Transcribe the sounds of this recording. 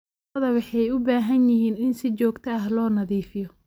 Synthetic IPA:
ðɐwɑħɑjʊbaːɦɐnjɪɦiːnɪnsɪt͡ʃɔːɡt̪ʰɐɐɦlɔːnɐðiːfɪjɔ

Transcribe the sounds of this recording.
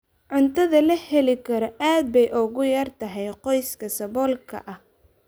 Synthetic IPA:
ʕʊnt̪ʰɐðɐlɐhɛlɪkʰɐɾɔʔaːd̪̚bɛjʔʊɣʊjaːrt̪ʰɐɦɛjqɔjskʰɐsɐβɔːlkʰɐ̰ʔɐh

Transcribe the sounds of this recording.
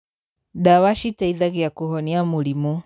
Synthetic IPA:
dawaʃitaiðaɣeakoɦɔniamulimu

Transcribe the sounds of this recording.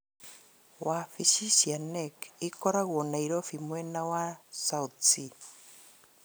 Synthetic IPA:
wafisisianekikoɾaɣuonajɾofimuenawasawt͡si

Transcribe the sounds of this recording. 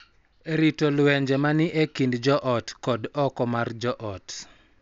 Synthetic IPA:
eɾitolwɛɲd͡ʒemanɪʔekindd͡ʒɔʔɔtkɔdɔkɔmard͡ʒɔʔɔt

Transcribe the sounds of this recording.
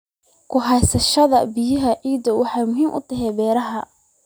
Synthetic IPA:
kʰʊɦɑsɐʃɐðɐbɪjɐɦɐʕiːd̪ɐwʔɑħɑjmʊɦiːmʔʊ̰t̪ʰɐɦɛbɛːɾɐɦɐ

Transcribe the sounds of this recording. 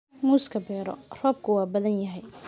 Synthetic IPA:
muːskʰɐbɛːɾɔ̰rɔːb̚kʰʊwɑːbɐðɐnjɐɦɛj

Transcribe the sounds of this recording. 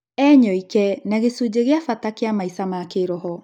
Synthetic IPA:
ɛɲɔikɛnaɣesud͡ʑeɣeafatakeamaisamakeɾɔɦɔ

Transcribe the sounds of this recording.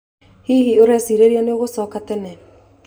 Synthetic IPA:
hiːɦioɾɛsiːɾeɾianeoɣosɔːkatɛnɛ

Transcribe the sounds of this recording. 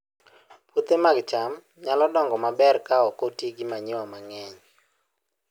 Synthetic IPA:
put̪emaɡt͡ʃam | ɲalɔdɔŋɡɔmabɛrkaɔkotiɡɪmaɲɪwɔmaŋɛɲ

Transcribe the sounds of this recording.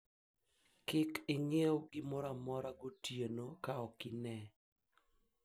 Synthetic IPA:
kɪkɪŋeoɡɪmɔɾamɔɾaɡotjenokaɔkɪnɛ

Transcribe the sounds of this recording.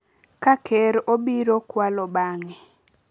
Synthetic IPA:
kakʰɛɾobiɾokwalɔbaŋɛ

